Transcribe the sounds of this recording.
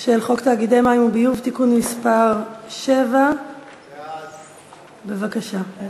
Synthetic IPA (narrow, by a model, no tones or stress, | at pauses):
ʃelχo̞kt̪aːɡide̞jmajimubijuvt̪ikunmispaʁʃe̞va | be̞vakaʃa